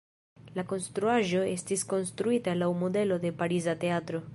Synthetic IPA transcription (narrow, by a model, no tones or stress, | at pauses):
lako̞nst̪ɾuaʒo̞e̞stisko̞nst̪ɾuitalawmod̪e̞lo̞d̪e̞paɾizateat̪ɾo̞